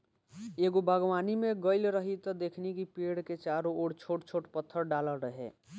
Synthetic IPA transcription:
eːɡobʱəɡwaːnimẽɡəɪlɾəɦit̪ɔd̪eːkʰnekipeːɽket͡ʃaːɾooːɽt͡ʃʰoːʈt͡ʃʰoːʈpət̪ʰːəɾɖaːləɾəɦḛ

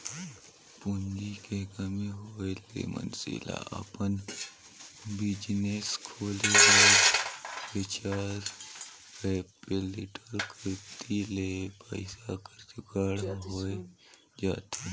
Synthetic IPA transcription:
pʊnd͡ʒikekəmiɦoːelḛːmə̰nsḭla̰ʔɐ̰pən | bɪd͡ʒneskʰoːleke | pɪt͡ʃaːɾpepelɪʈəɾkɾɪt̪ʰilepəɪsakəɾt͡ʃukaːɽɦoːe | d͡ʒaːt̪ʰe

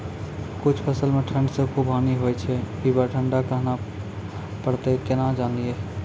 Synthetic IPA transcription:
kut͡ʃʰpʰəsəlmeʈʰə̃ɳɖsẽkʰubʱɦaniɦojt͡ʃʰɛ | ibaʈʰəɳɖakəɦna | pəɾt̪ekenad͡ʒanie

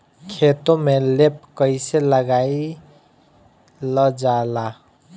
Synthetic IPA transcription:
kʰet̪omelep̚kəɪseləɡai | ləd͡ʒala

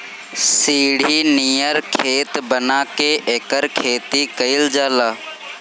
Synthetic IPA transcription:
siːɽ̤ʱiːnijəɾkʰeːt̪bənaːkeʔeːkəɾkʰeːt̪ikəɪld͡ʒaːlaː

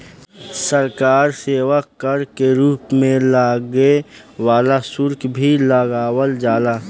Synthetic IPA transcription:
səɾkaːɾseːwakəɾkeɾuːpmẽlaːɡe | waːlasʊɾkbʱilaɡaːwəld͡ʒaːlaː

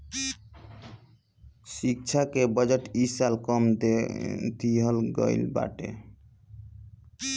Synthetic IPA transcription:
sik̚t͡ʃʰakebʌd͡ʒəʈisalkɔmd̪et̪iɦəlɡʌ̰jlba̰ʈḛ

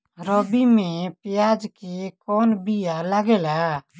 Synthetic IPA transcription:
ɾɔbimẽpɪjad͡ʒkekɔːnbijalaɡela

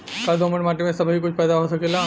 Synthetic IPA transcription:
kald̪oːməʈmaːʈimẽsɐbʱɦik̬ʊt͡ʃʰpɛːd̪aɦosɐkeːla

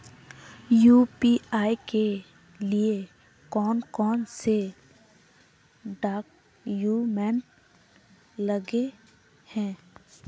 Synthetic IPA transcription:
juːpiaːike | lie | kɔːnkɔːnse | ɖaːk | juːmɛ̃ːn | ləɡe | hɛ̃ː

